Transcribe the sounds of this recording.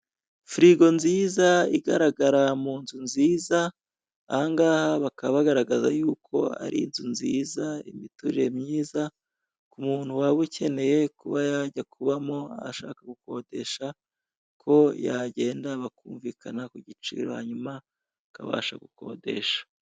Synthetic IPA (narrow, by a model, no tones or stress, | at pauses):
fɾiɡo̞nziːzaiɡaɾaɡaɾamuːnzunziːzaː | haŋɡaːhaβakaββaɡaɾaɡazajuːkʰo̞̰a̰ɾḭnzunziːzaḭmituɾe̞mɲiːza | kumuːn̥huwaβucʰe̞ne̞je̞kuβajaɟakʰuβamo̞aaʃa̰ːkaɡuko̞de̞ʃa | kʰo̞jaɟe̞ːndaβakuːɱviːkʰanakuɟit͡ʃḭɾo̰ha̰ɲuma | kaβa̰ːʃaɡuko̞̰de̞̰ʃḁ